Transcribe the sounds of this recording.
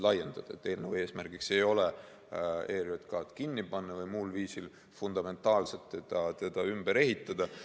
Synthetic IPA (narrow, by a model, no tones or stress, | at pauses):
lɑje̞nd̪̥ɑd̪̥ɑḛt̪ːˑe̞ːlnevue̞ːsmærɡ̥ikse̞jo̞le | e̞ːɾot̪kɑːt̪kinʲːipɑnːɑvɤjmulviːsil | fund̪̥ɑme̞nt̪ːˑɑːlset̪ːed̪̥ɑt̪e̞d̪̥ɑymb̥eɾe̞ɦit̪ːˑɑd̪̥ɑ